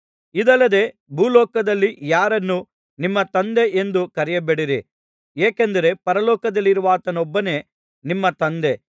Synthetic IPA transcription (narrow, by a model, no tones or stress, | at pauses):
id̪ɐlːɐd̪e̞ː | bʱuːlɔːkɐd̪ɐlːijaːɾɐnːu | nimːɐt̪ɐnd̪e̞ʔend̪ukɐɾɛjɐbeɽiɾi | eːkend̪ɐɾe̞pɐɾɐlɔːkɐd̪ɐlːiɾuʋaːt̪ɐnɔbːɐne̞ː | nimːɐt̪ɐnd̪e̞